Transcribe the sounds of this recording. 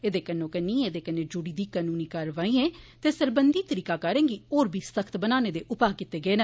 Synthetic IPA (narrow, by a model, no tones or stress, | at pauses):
eːd̪eːkənõːkənĩːeːd̪eːkənːẽːd͡ʒʊɽiːd̪iːkaːnũːniːkəɾʋaːĩːẽːt̪eːsəɾbənd̪iːt̪əɾiːkaːkəɾẽːɡiːoːɾbʱiːsəkʰt̪bənaːneːd̪eːʔʊpaːkɪt̪ːeːɡəeːnə